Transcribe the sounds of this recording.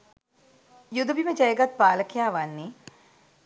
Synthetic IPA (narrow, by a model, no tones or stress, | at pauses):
jud̪ɐbiməd͡ʒɐjəɡɐt̪̚paːləkijaːʋanːi